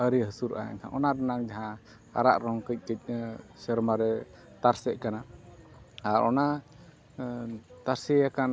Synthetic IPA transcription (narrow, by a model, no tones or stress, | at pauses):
əɾiɦəsuɾʔa̰ja̰ɲkʰa̰ʔɔnaɾɛnaŋd͡ʒaɦã | a̰ɾa̰ʔɾɔŋkəc̚ˀkəc̚ˀsɛɾmaɾɛ | t̪aɾsɛʔkana | aɾʔɔ̰na | t̪aɾsɛjakan